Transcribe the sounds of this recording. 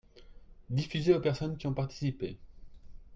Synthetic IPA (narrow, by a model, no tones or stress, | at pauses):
d̪ifyzeopɛʁsɔnkʲiɔ̃paʁt̪i̥sipe